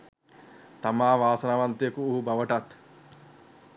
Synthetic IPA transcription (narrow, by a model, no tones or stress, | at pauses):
t̪ɐmaːʋaːsɐnɐʋɐnt̪ejɐkuːɦubɐʋɐʈɐt̪